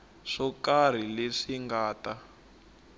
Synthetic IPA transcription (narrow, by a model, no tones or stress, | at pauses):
ʂɔkar̤ileʂiŋɡaːta